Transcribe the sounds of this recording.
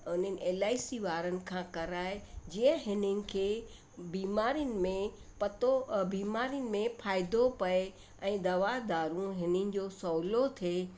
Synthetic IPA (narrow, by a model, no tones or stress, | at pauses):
ʊn̤ənɪ̆ʔeːlaːɪsiʋaːɾənɪ̆kʰãkɐɾaːɪd͡ʑiːə̃ɦɪnənɪ̆kʰeː | biːmaːɾijənɪ̆mẽpɐt̪obiːmaːɾijənɪ̆mẽpʰaːɪd̪opɐe | ɛ̃ːd̪ɐʋad̪aːɾũɦɪnənɪ̆d͡ʑoːsɔːlot̪ʰeː